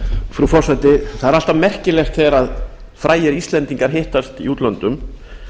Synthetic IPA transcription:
fɾufɔr̥sat̪ɪθaðɛɾal̥t̪amɛr̥cɪlɛxt̪θɛːɾað | fɾaːjɛɾist̪lɛnt̪iŋkaɾ̥ɦɪht̪ast̪iuːt̪lant̪ʏm

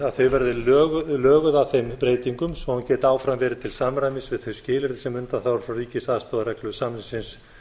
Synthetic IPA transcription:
aðθœɥvɛɾðɪlœːɣʏlœːɣʏðaθejmpɾeːjt̪iŋkʏmsɔhuncɛːt̪aːwfɾamvɛːɾɪt̪ʰɪlsamɾajmɪsvɪðθœɥscɪːlɪɾðɪsɛmʏnt̪anθawɾfɾawriːcɪsaðst̪ɔːðaɾɛklʏðsamɪsɪns

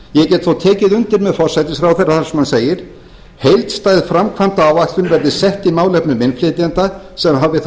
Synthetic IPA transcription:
jɛcɛːt̪θowt̪ʰɛːcɪðʏnt̪ɪɾmɛðfɔr̥sajt̪ɪsfɾawθɛjrːaθḁsɛmhanseːjɪɾ̥ | hejlt̪st̪aːjðfɾamkʰvamt̪aavahkt̪ʏmvɛɾðɪsɛht̪imaːwlɛhpnʏmɪnflɪt̪jant̪a | sɛmɦavɪθ

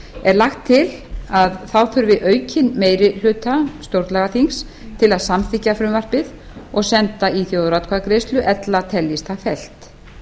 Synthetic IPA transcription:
ɛɾlaxt̪ʰːɪl | aðθawθʏɾvɪʔœːɥcʰɪnmeːjɾɪl̥ʏːt̪ast̪owɾt̪laɣaθiŋs | t̪ʰɪlaðsamθɪhcːafɾʏmvar̥pɪð | ɔɣsɛnt̪aiθjowðɾat̪kʰvaðkɾejst̪lʏʔɛt̪lat̪ʰɛljist̪afɛl̥t̪

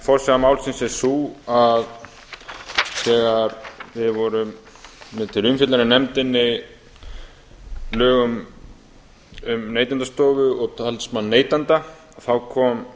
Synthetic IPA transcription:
fɔɾ̥sɛɣamaːwlsɪnsɛsuːað | sɛːɣaɾvɪðvɔɾʏmː | ɪt̪ʰɪlʏmfɪt̪laɾɪnɛmt̪ɪnːɪ | lœːɣʏm | ʏmneːjt̪ant̪ast̪oːvʏɔɣt̪ʰalsmannːeːjt̪ant̪a | θawkʰɔːm

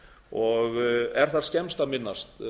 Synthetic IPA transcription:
ɔɣɛɾ̥θaɾ̥scɛmst̪aðmɪnːast̪

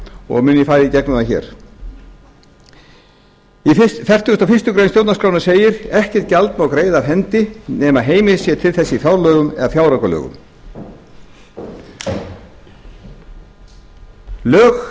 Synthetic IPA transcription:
ɔ̰ɣmʏnːɪfaːjɾɪcɛknʏaçɛ̰ːɾ̥ | ifɛr̥t̪ʏʏst̪afɪst̪ʏkɾejnstjowt̪naskɾawnḁseːjɪɾɛhcɛ̥t̪̚calt̪mawkɾeːjðavɦɛnt̪ɪnɛːmaɦeːjmɪsjɛt̪ʰɪlθɛsːɪifjawɾlœːɣʏmɛ̰ðafjawɾakalœ̰ːɣʏ̰m | lœːx

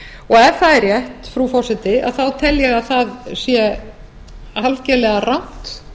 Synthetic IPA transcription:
ɔɣɛɾ̥θaðɛrjɛht̪fɾufɔr̥sɛt̪ɪa̰ðθawt̪ʰɛljɛɣaðθaðsjɛ | alcɛlɛɣarawn̥t̪

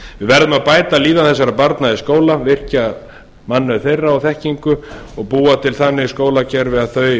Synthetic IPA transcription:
vɪvɛɾðʏmaðpaːjt̪aliːðaθɛs̬ːaɾapaɾt̪naiskoːwlavɪr̥ca | manːʏθejrːaawθɛhciŋkʏ | ɔɣpuːat̪ʰɪlθanːɪskoːwlacɛɾvɛðaθœɥ

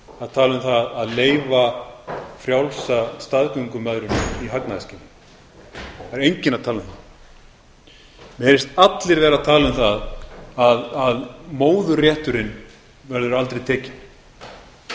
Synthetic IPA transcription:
aðt̪ʰaːlʏmθaðaðleːjva | fɾjawlsast̪aðkœŋkʏmœðɾʏniɦaknaascɪnːɪ | aɾejɲcɪnaðt̪ʰaːlʏmθa | mɛɛɾɪst̪at̪lɪɾvɛːɾat̪ʰaːlʏmθaðaðaðmoːwðʏrjɛht̪ʏɾɪn | vɛɾðʏɾalt̪ɾejt̪ʰɛːcɪn

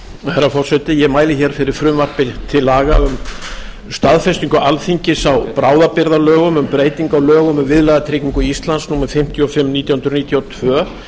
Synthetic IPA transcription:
θɛɾːafɔr̥sɛt̪ɪjɛmaːjlɪçɛɾ̥fɪɾɪɾ̥fɾʏmvar̥pɪt̪ʰɪlaːɣaʏm | st̪aðfɛst̪iŋkʏalθiɲcɪsawpɾaːwðapɪɾðalœːɣʏmʏmpɾeːjt̪iŋkawlœːɣʏmʏmvɪðlɛɣat̪ʰɾɪːkiŋkʏiist̪lansnuːmɛɾfɪm̥t̪ʰjɔfɪmːniːt̪jahʏnɾniːt̪ʰjawt̪ʰvœː

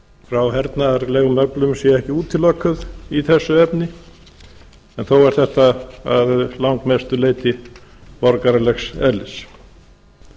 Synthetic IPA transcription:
fɾawɦɛɾt̪naɛɾlɛːɣʏmœplʏmsjɛɛhcɪuːt̪ʰɪlːœkʰːʏðiθɛsːʏɛpnɪ | ɛnθowɛɾ̥θɛht̪aaðlawŋkmest̪ʏleːjt̪ɪpɔɾkaɾalɛxsɛlːɪs

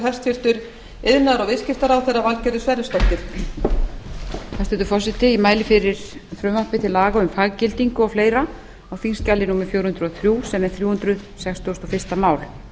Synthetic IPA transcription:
ɦɛ̥st̪fɪr̥t̪ʏɾ | ɪðnaɾɔvɪscɪft̪aɾawθɛrːavalcɛɾʏsvɛɾɪst̪ɔht̪ɪɾ̥ | hɛst̪ɛt̪ʏfɔsɪt̪ɪimaːjlɪfɪɾɪɾ̥θɾœmahpɪt̪ʰɪlaːɣaʏmfaɣcɪlt̪iŋkʏɔwfleːjɾa | awfinscalːɪnuːmɪfjowɾ̥hʏnɾʏɔθɾjuːsɛmɛɾθɾjuːhʏnt̪ɾʏðsɛkst̪ɔst̪ɔfɪr̥st̪amaːwl

